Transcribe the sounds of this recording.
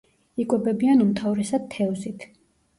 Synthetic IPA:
ikʼwɛbɛbianumt̪ʰavɾɛsad̪̚t̪ʰːɛvzit̪ʰ

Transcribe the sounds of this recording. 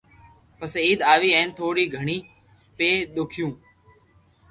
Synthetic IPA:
pəsiːd̪aːʋiːɛ̃ːnt̪ʰoːɽiːɡʱəɳiː | peːɗ̪ʊkʰɪjũː

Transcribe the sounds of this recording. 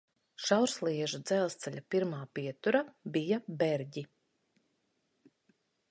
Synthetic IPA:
ʃawɾslˠiɛʒud̪zɛlˠst̪sɛʎʲapiɾmaːpiɛt̪uɾabijabɛɾɟi

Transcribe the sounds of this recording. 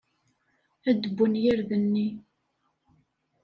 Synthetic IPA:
æd̪əbːənjiɾðənːi

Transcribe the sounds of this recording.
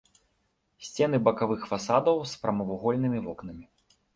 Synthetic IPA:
sʲt͡sʲɛn̪ɨbɐkavɨxfasad̪ɐwspɾɐmɐvuɣɔlʲnɨmʲivɔknɐmʲi

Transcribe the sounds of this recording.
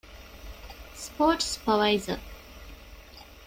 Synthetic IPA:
spoːʈspəʋaɪzə̰

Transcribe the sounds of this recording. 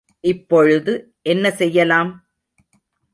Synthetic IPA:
ʔɪpːɔɻɯðɯ | ʔɛnːɐsɛjːɐlaːm

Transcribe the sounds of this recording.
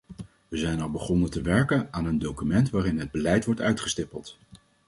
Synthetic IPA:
ʋəzɛjnɑlˠbəχɔnəntəʋɛɹkənaːnəndowkymɛntʋaːrɪnɦəd̚bəlɛjtʋɔɹtœɥtχəstɪpəlˠt

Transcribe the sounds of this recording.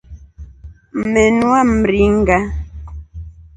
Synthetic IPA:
menwam̩ɾiŋ̩ɡa

